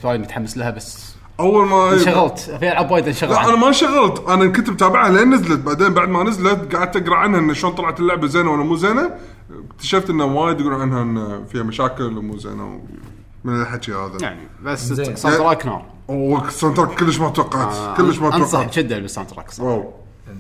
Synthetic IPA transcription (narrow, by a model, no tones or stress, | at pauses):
waːjd̪mʊt̪ħamːaslahabasː | ʔawːalmaʃaɣalt̪fialʕabwaːjɪd̪nʃaɣlaʔanamaʃaɣalt̪ʔanankʊnt̪mt̪aːbɪʕaleːnːazlat̪̚baʕd̪eːnbaʕd̪manɪzlat̪ɡaʕɪd̪̚t̪aɡɾˤɑʕanhaʔɪnːaʃoːnt̪ˤɑlʕat̪ɪlːʊʕbazeːnawʔanamuzeːna | k̚t̪ḁʃaft̪ʔɪnːawaːjd̪ɡuɾʕanhaʔɪnːafiːhamaʃaːkɪlmṵːzḛːna̰w | mɪnlħaʃiha̰ːðaja̰ʕnḭbassantɾˤaːknɑ̰ːɾˤ | wsant̪ɾˤakkːɪlːəʃmat̪wɑqːɑt̪kəlːəʃmawɑsˤɑd͡ʒad̪ːalbɪsːa̰nt̪ɾˤa̰ːkswaw